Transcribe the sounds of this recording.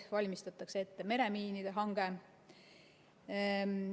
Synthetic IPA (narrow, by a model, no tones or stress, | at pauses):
vɑlʲmist̪ɑt̪ːˑɑkseet̪ːe̞me̞ɾe̞miːnid̪̥e̞ɦɑŋɡ̥e̞